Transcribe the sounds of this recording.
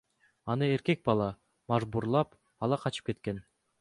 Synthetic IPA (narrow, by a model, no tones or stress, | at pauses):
ɑnɯe̞ɾke̞k̚bɑlˠɑ | mɑʒbuɾlˠɑp | ɑlˠɑqʰɑt͡ʃɯ̥p̚ke̞t̪̚ke̞n